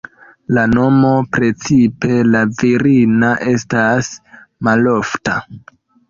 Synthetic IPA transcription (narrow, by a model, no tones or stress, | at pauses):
lano̞mo̞pɾe̞t͡sipe̞laviɾinaʔe̞stas | malo̞fta